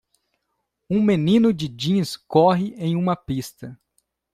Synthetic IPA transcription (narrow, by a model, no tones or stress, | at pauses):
ũmenĩnʊd͡ʒɪd͡ʒĩɲskɔɦɪʔẽj̃ũmɐpist̪ɐ